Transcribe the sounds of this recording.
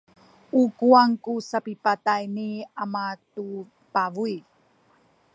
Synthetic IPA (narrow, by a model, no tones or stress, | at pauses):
ukuaŋkusapipatajniamatu | pavui